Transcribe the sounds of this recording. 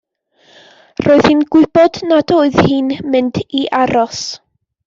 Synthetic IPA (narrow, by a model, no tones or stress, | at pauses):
roːɨð̥hɨnɡ̥wɪb̥ɔdnadoːɨð̥hɪnmɨnd̥iʔaɾɔs